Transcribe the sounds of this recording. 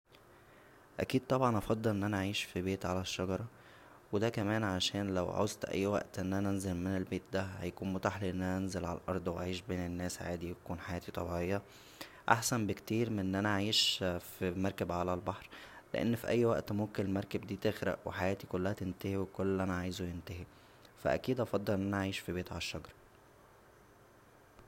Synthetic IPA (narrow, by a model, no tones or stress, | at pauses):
ʔækiːd̪̚t̪ˤɑbʕɑnʔɑfɑd̪ˤːelʔenːʔænæʕiːʃfibeːt̪ʕalæʃːɑɡɑɾˤɑ | wed̪ækæmæːnʕaʃæːnlæ̰wʕo̰zt̪ʔæ̰jːwæ̰ʔt̪ʔenːʔænæʔænzelmenelbeːt̪̚d̪æhæ̰jækuːnmot̪aːħliʔenːʔænænenzelʕa̰llʔɑ̰ɾˤd̪ˤwaʕiːʃbeːnenːæːsʕa̰ːd̪ijkuːnħajæːt̪it̪ˤʰɑbiʕejːɑ | ʔaħsæmbekt̪iːɾmenːʔænæaʕiːʃfimɑɾˤkæbʕalælbɑħɾ | lḛʔḛnːfiʔæjːwæʔt̪momkenelmɑɾˤkæbd̪iːt̪exɾæ̰ʔweħajæːt̪ikolːæhæt̪ent̪æhiwekolːʔænæʕaːjzujent̪æhi | fæʔæ̰kiːd̪ʔɑfɑd̪ˤːɑlʔenʔænæʔaʕiːʃfibeːt̪ʕalæʃːɑɡɾˤɑ